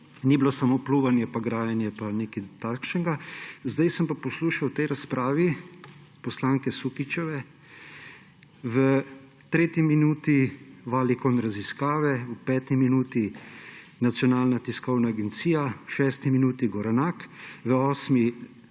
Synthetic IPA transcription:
niːblosamoːpluːʋanjɛpaɡɾaːjɛnjɛpaneːkit̪akʃnɛɡazd̪ajsəmpapɔsluːʃawt̪ɛjɾaspɾʔaːʋi | pɔslaːŋkɛsukit͡ʃɛʋɛ | ʋə | t̪ɾeːt̪iminuːt̪iʋaːlikɔnɾaziskaːʋɛwpɛːt̪iminuːt̪i | nat̪sjɔnaːlnat̪iskɔwnaːɡɛnt̪siːjawʃɛːst̪iminuːt̪iɡɔɾɛnaːkʋəɔːsmi

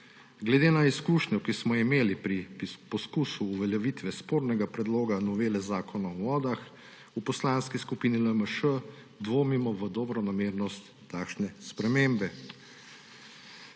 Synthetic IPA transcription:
ɡlɛd̪eːnaiskuːʃɲɔkismɔimeːlipɾipɔskuːsuːʋɛljɛʋit̪ʋɛspoːɾnɛɡapɾɛd̪loːɡanɔʋeːlɛzaːkɔnaɔʋɔːd̪ax | upɔslanskiskupiniləməʃə | d̪ʋoːmimɔʋəd̪ɔbɾɔnameːɾnɔst̪ːaːkʃnɛspɾɛmembɛ

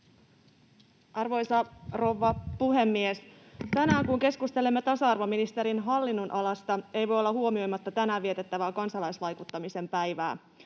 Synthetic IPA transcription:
ʔɑrʋo̞jsɑro̞ʋːɑpuɦe̞mːiest̪ænæːŋkuŋke̞skust̪e̞lemːet̪ɑsɑɑrʋo̞minist̪e̞ɾinɦɑlːinːunʔɑlɑst̪ɑe̞jʋo̞jolːɑhuomio̞jmɑt̪ːɑt̪ænæːiet̪e̞t̪ːæʋæːkɑnsɑlɑjsʋɑjkut̪ːɑmise̞mpæjʋæː

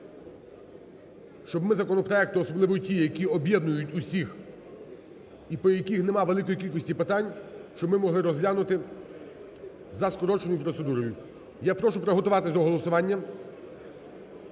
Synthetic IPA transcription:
ʃt͡ʃɔbmɪzɐkɔnɔpɾɔɛk̚t̪ʊɔsɔblˠɪʋɔjʊtʲijjɐkʲiɔbʲjɛd̪nʊjʊtʲʊsʲix | ipɔjɐkʲixnemɑʋelˠɪkɔjikʲilʲkɔsʲtʲipɪt̪ɑnʲʃt͡ʃɔbmɪmɔɦlˠɪɾɔzlʲanʊt̪ɪ | zɐskɔɾɔt͡ʃenʊjʊpɾɔt̪sed̪uɾɔjʊ | japɾɔʃʊpɾɔɦɔt̪ʊʋɑt̪ɪzɐɔɦɔlˠɔsʊʋɑnʲːɐ

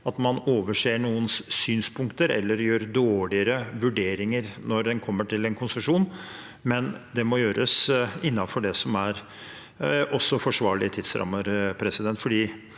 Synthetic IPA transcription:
ɑt̪mɑnoːʋəʂeːɳuːənssyːnspʊŋkt̪əɾɛ̰lːəɾjøːɾd̪oːɭɪəɾəʋʉɖeːɾɪŋəɾnɔɾd̪ɛnkʰɔmːəʈʰɪlɛnkʰʊnsəʂuːn | mɛnd̪ɛmɔjøːɾʔə̰sɪnːɑfɔɖɛsɔmæɾ | ʔɔsːɔfɔʂʋɑːɭɪət̪ʰɪd̪̥sɾɑ̰mːəɾpʰɾɛsɪd̪ɛnt̪fɔɖiː

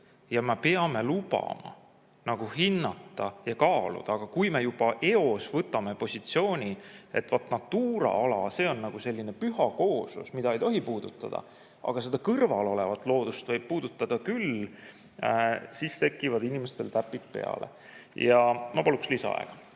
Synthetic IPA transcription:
jɑmepe̞ɑme̞lub̥ɑ̰mɑ̰ | nɑɡ̥uɦinːɑt̪ːˑɑjɑkɑːlṵd̪̥ɑːɡ̥ɑkujme̞jub̥ɑʔe̞o̞svɤt̪ːˑɑme̞po̞sʲit̪sio̞ːnʲie̞t̪ːvɑt̪ːnɑt̪ːuːɾɑ̰ɑlɑse̞ːo̞nːɑɡ̥use̞lʲːine̞pyɦɑko̞ːsṵsmid̪ɑe̞jt̪o̞ɦipuːd̪̥ut̪ːˑɑ̰d̪̥ɑ̰ | ɑ̰ɡ̥ɑse̞d̪̥ɑkɤrvɑlo̞le̞vɑt̪ːˑlo̞ːd̪̥ust̪vɤjb̥̚puːd̪̥ut̪ːˑɑd̪̥ɑkyl | sist̪e̞kːˑivɑd̪inimest̪e̞lt̪æpːˑit̪̚pe̞̰ɑ̰lḛ | jɑmɑpɑlukslisɑ̰ɑ̰ḛɡ̥ɑ̥

